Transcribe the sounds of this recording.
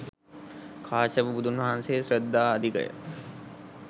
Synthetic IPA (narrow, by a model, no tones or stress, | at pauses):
kʰaːt͡ʃəʋəbud̪ʱunʋɐɦanseːsɾəd̪ːaːɐd̪ʱikə̰jə̰